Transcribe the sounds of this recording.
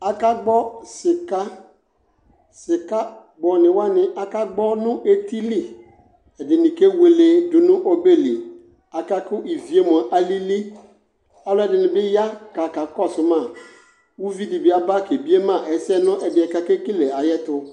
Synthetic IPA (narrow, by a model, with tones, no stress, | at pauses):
a˨ka˦ɡ͡bɔ˦sɪ˨ka˦ | sɪ˨ka˦ | ɡ͡bɔ˨nɪ̃˨wa˦nɪ̃˨ʔa˨ka˦ɡ͡bɔ˦nʊ̃˦ʔe˦ti˦li˦ | ɛ˨dɪ˨nɪ̃˨ke˦we˨le˨dʊ˨nʊ̃˦ʔo˦be˦li˨ | a˨ka˦kʊ˦ʔi˨vi˨e˦m˨a˨ʔa˦li˦li˦ | a˦lʊ˦ɛ˨dɪ˨nɪ̃˨bɪ˦ja˦ka˨ka˨kɔ˦˨sʊ˨mã˦˨ | wu˦vi˦di˨bɪ˨˦a˨ba˦ke˨bi˦e˦mã˦˨ʔɛ˨sɛ˦nʊ̃˦ʔɛ˨bɪ˨ɛ˨ka˦ke˦ki˦le˨a˨jɛ˦tʊ˦